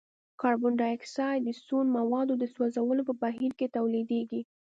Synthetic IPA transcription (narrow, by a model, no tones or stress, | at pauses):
kɑɾbʊɳɖɑɪksɑjd̪əsunmawɑd̪od̪əswazawəlopəbaɦiɾket̪awlid̪eɡi